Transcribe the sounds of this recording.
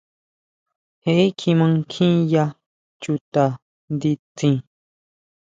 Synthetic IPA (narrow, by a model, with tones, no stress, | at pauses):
he˨ʔe˦kʰĩ˧mã˧ŋkʰĩ˦ja˧ | t͡ʃu˧t̪a˨ | nd̪i˧t͡sĩ˧